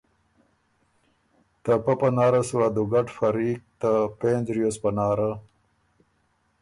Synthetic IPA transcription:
t̪ɐpɐpɐnaːɾɐswad̪uɡɐʈfɐɾiːk̚t̪apeːnd͡ʑɾijospɐnaːɾa

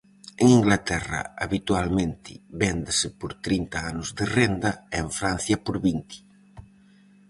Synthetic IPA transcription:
eŋiŋɡlat̪ɛrɐ̰a̰βit̪ualmẽnt̪ɪβɛnd̪esɪpoɾt̪ɾint̪aanʊzðerend̪ɐeeɱfɾan̟θjɐpoɾβint̪i̥

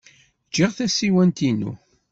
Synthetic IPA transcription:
d͡ʒiʁθæsiwænt̪inṵ

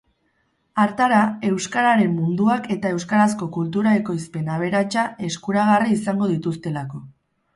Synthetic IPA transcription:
aɾt̪aɾae̞wskaɾaɾe̞mːund̪uake̞t̪ae̞wskaɾasko̞kult̪uɾae̞ko̞jspe̞naβ̞e̞ɾat͡ʃae̞skuɾaɣ̞ariːsaŋɡo̞ð̞it̪ust̪e̞lako̞

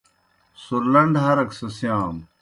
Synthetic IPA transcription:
suɾlɐɳɖɦɐɾɐksɐsjaːm

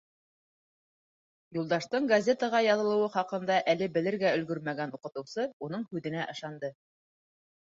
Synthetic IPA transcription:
julˠd̪ɑʃt̪ɤɴɡɐzʲe̞t̪əʁɑjɑðɤ̆lˠɤ̆wɤχɑqɤ̆nd̪ɑʔælɘbɘ̆lɘ̆ɾɡæɵ̆lɡɵɾmæɡænuqɤ̆t̪ɤ̆wsɤunɤɴhʉðɘ̆næʔɤ̆ʃɑnd̪ɤ

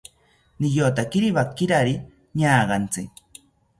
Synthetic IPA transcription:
nɪjot̪akɪɾiβakːɪɾaɾi | ɲaːɢɑnt͡sɪk

